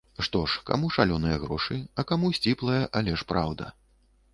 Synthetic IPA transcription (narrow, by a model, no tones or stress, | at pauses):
ʂt̪ɔʂka̰muʂalʲɔnɨjɐɣɾɔʂɨɐkamusʲt͡sʲiplˠɐjɐʔɐlʲɛʂpɾʔawd̪ɐ̰